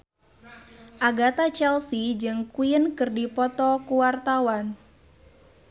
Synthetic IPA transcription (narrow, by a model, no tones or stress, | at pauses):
ʔaɡat̪at͡ʃɛlsid͡ʒɨŋkujənkɨrdipɔt̪ɔkuwart̪awan